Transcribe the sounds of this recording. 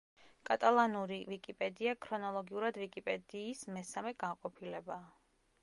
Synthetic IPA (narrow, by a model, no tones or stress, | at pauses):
kʼat̪ʼalˠanuɾivikʼipʼɛd̪iakʰɾɔnɔlˠɔɡiuɾad̪vikʼipʼɛd̪iːsmɛsamɛɡanqʼɔpʰilɛbaː